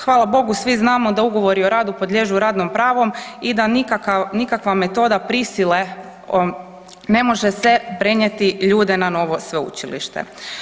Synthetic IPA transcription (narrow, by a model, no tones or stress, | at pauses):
xʋaːlˠabo̞ɡusʋiznaːmod̪auɡo̞ʋo̞ɾio̞ɾaːd̪upod̪lʎe̞ʒuɾaːd̪nompɾaːʋo̞mid̪anikakanikakʋame̞t̪o̞ːd̪apɾisile̞ | ne̞mo̞ʒese̞pɾeɲet̪iʎuːd̪e̞nano̞ʋo̞sʋe̞ṵt͡ʃilḭʃt̪ḛ